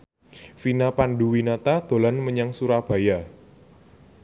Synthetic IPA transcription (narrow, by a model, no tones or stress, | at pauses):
finapanɖuwinat̪ad̪̥o̤lanməɲaŋsuɾab̥a̤ja